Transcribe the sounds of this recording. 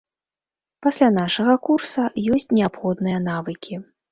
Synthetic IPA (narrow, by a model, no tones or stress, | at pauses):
pasʲlʲanaʂɐɣɐkursɐjɔsʲt͡sʲnʲɛapxɔd̪nɨjɐnavɨkʲi